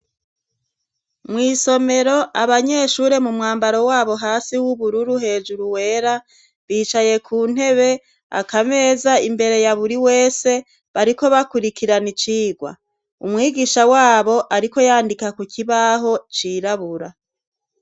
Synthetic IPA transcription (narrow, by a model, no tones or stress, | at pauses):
mwiːso̞me̞ɾo̞ʔaβaɲe̞ːʃuːɾe̞mumŋaːmbaɾo̞waːβo̞ɦaːsiwuβuɾuɾuɦe̞ːd͡ʒuɾuwe̞ːɾa | βiːt͡ʃaje̞kʰuːn̥he̞βe̞ | a̰kame̞ːzaimbe̞ɾe̞jaβuɾiwe̞ːse̞ | βaɾiko̞βakuɾikiɾanit͡ʃiːɡwa̰ | umŋiːɡiʃawaːβo̞ʔaɾiko̞jaːndikakuciβaɦo̞t͡ʃiːɾaβuɾa